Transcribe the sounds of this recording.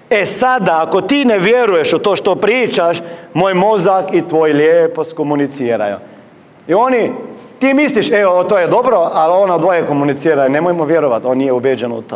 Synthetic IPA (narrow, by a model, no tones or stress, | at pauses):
esad̪aːkot̪ineʋjeɾujeʃot̪oːʃt̪opɾiːt͡ʃaʃmoːjmozakit̪ʋojiljeposkomunit̪siːɾa̰jṵ | ioːni | t̪imisliʃeot̪ojed̪obɾoʔalonad̪ʋojekomunit̪siːɾainemojmoʋjeɾoʋat̪oːnijeubed͡ʒenṵt̪o